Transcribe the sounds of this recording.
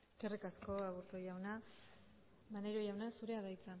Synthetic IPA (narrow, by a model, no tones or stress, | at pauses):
eske̞rikasko̞aβuɾt̪ojawna | maneɾojawnasuɾe̞aðajt͡sa